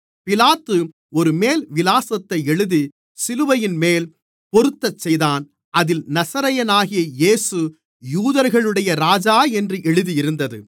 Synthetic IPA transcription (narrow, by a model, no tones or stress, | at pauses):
pɪlaːt̪ːɯ | ɔɾɯmeːlʋɪlaːsɐt̪ːɐɪɛɻɯði | sɪlɯʋɐjɪnmeːl | pɔɾɯt̪ːɐt͡ʃːɛjðaːn | ʔɐðɪlnɐsɐɾɐjɐnaːɣɪjɐjeːsɯ | juːðɐɾɣɐɭɯɽɐjɐɾaːd͡ʒaːɛndrɯʔɛɻɯðijɪɾɯnd̪ɐðɯ